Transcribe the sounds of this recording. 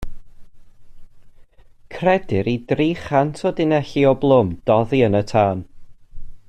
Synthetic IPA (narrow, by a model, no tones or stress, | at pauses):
kʰrɛdɪɾidriːχantʰɔdɪnɛɬiɔblˠʊmd̥ɔðiənətʰaːn